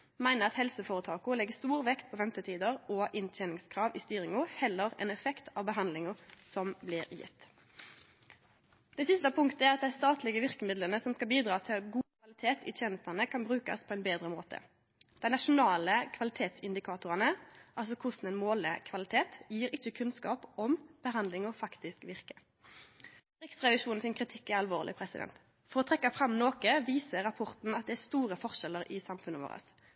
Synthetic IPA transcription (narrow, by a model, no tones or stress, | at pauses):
mæɪnəʁɑt̪hɛlsəfoːʁət̪ʰɑːkʊlɛɡːəst̪uːʁʋɛkt̪̚pʰɔːʋɛmt̪ət̪ʰiːd̪əʁɔːʔɪnt̪ʰɛːnɪŋskʰʁɑːʋɪst̪yːʁɪŋʊhɛlːəʁɛ̰nɛfɛkt̪ʰɑːʋbəɦɑnd̪lɪŋʊsɔmblɪʁjɪ̰t̪ː | d̪̥ɛsɪst̪əpʰʊŋkt̪əæʁɑt̪̚d̪æɪst̪ɑːt̪lɪɡəʋɪʁkəmɪd̪lənəsɔmskɑlbiːd̪ʁɑːt̪ʰɪlɡuːkʰʋɑlɪt̪ʰeːt̪ɪ̰t̪ʰjeːnəst̪ɑnəkʰɑnbʁʉːkɑ̰spʰɔɛnbeːd̪ʁəmoːt̪ʰə̰ | d̪̥ɛɪnɑʂʊnɑːləkʰʋɑlɪt̪ʰeːt̪sɪnd̪ɪkʰɑːt̪ʊʁɑnəʔɑlsɔkʰʊsn̩ɛnmoːlə̰kʰʋɑlɪt̪ʰeːt̪jiːɾɪt͡ʃːəkʰʉnskɑ̰ːpɔmb̥əɦɑnd̪lɪŋɔfɑkt̪ɪskʋɪʁkə̥ | ɾɪksʁɛʋɪʃuːnn̩sɪnkʰʁɪt̪ʰɪkːæɾʁɑlʋo̰ːʁlɪ̰pʰɾɛsɪd̪ɛ̰nt̪ | fɔʁɔt̪ʰʁɛkːɑfɾɑmnoːkəʋiːsəʁɑpʰɔʁt̪n̩ɑt̪̚d̪ɛæst̪uːʁəfɔʁʂɛləʁʔɪsɑmfʉnːəʋo̰ːʁə̰s